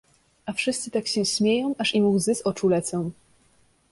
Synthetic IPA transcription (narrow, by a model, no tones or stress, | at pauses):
ʔafʂɘst̪sɘt̪akɕɛɕmʲjejɔ̃w̃ʔaʂimuwzɘsɔt͡ʂulɛt̪sɔ̃w̃